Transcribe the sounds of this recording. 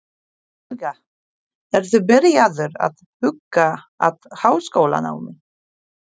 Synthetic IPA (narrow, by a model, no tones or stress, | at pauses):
ɣa | ɛɾ̥θʏbɪɾjaðʏɾa̰ðhʏkːa | a̰ðhaːwskowla̰na̰ːwmɪn